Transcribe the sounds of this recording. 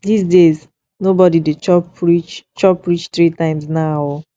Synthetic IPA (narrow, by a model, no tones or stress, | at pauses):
disdez | nobɔdidet͡ʃɔpɹit͡ʃt͡ʃɔpɹit͡ʃt̪ɹitãɪ̃msnaɔ